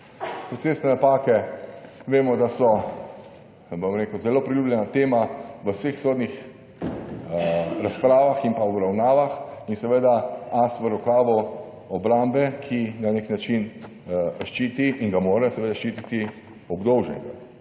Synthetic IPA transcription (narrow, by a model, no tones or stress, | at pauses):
pɾɔt̪seːsnɛnapaːkɛ | ʋeːmɔd̪asɔ | bomɾeːkəwzɛloːpɾiljuːblʲɛnat̪eːmaʋəwsexsoːd̪nix | ɾaspɾaːʋaximpaɔbɾawnaːʋaxinsɛʋed̪aasʋəɾɔkaːʋɔ | ɔbɾambɛkʰinaneknat͡ʃin | ʃt͡ʃiːt̪iʔiŋɡamoːɾɛsɛʋeːd̪aʃt͡ʃiːt̪it̪i | ɔbd̪oːʒnɛ̰ɡa